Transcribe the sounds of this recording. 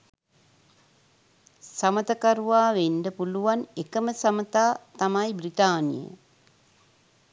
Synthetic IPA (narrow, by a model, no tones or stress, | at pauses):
samət̪əkaɾuʋaːʋenɖəpuluʋanekəməsamət̪aːt̪amajbrit̪aːnḭjə̰